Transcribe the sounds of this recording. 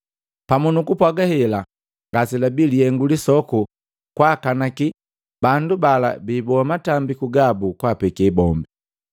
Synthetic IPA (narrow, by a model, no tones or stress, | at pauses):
pamunukupwaɡahɛla | ŋɡasilabiliɛŋɡulisɔku | kwakanaki | bandubala̰biːbɔamatambikuɡabukwaːpɛkɛbɔmbɛ